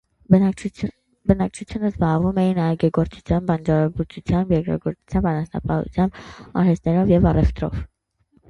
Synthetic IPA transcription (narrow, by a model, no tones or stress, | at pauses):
bənɑk̚t͡ʃʰut͡sʰjunəzbɑʁvumɛjinɑjɡɛɡɔɾt͡su̥t͡sʰjɑnbɑnd͡ʒɑɾbuɾt͡sʰut͡sʰjɑnbjɛkɾɑ̰ɡɔɾt͡su̥t͡sʰjɑmbɑnɑsnɑ̰pɑhṵt͡sʰjɑmbɑ̰ɾɛst̪nɛɾɔvjɛvɑrɛft̪ɾɔ̰v